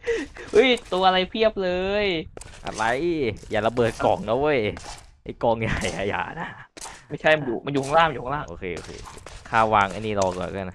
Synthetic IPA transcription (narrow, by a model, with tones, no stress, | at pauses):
ʔɯ˦˥˩jt̪u˧ɐʔa˧ɾa˧jpʰi˥˩əp̚lɤː˧jʔa̰˧˩la˧jʔi˥˩jaː˨˩la˧bɤː˨˩t̪̚kɔː˨˩ŋnɔː˦˥wʔo˧˥˩j | ʔa˧˩kɔː˧˩ŋjaː˨˩ja̰ː˨˩ja̰ː˨˩ʔna˧˥ma˥˩jt͡ɕʰa˥˩jma˧njuː˨˩ma˧njuː˨kʰɔ˧ŋlaː˥˩ma˧juː˨˩˧laː˥˩˨ʔoː˧˩kʰeː˧ʔoː˧˩kʰḛː˧o˧kʰaː˥˩waː˧ŋʔa˧˩niː˥˩lɔː˧kɔ̰ː˨˩ka˧˩n˧˩